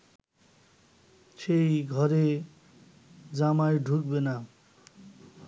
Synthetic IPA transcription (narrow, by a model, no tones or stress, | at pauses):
t͡sʰejɡʱʌɾe | d͡zamajɖʱuk̚bena